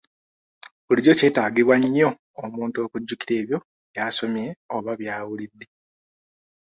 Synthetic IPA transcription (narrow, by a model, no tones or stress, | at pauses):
βuliɟo̞ce̞ːtaːɡiβwaɲːo̞ː | muːnto̞ːkuɟːukiɾe̞ːβjo̞ | jaːso̞mjeoβaβjaːwulidːe̞